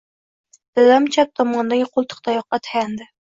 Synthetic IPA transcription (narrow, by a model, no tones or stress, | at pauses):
d̪̥ɪlamt͡ʃʰap̚t̪ʰɒmɒnd̪aɡʲɪqʰʊlˠt̪ʰɨ̥qt̪ʰajɒq̚ːɑt̪ʰḁjʲand̪ɪ